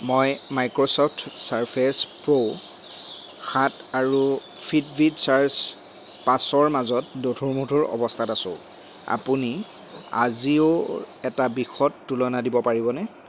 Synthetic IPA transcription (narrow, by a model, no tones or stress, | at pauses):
mɔjmajkɹosɔpʰtʰsaɹpʰespɹo | xataɹu | pʰidbʱidsaɹs | pasɔɹmazɔtdotʰuɹmutʰuɹɔ̰bɔstʰatasʊ̰̃ | a̰puni | a̰ziʊɛtabixɔtːulɔnadibɔpaɹibɔnɛ